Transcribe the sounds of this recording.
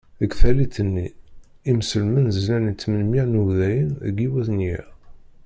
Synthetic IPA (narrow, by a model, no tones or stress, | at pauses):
əɡθælit̪ːənːi | imsəlmənzəzlænit͡sːmənminuðæjənəɡiwæθnji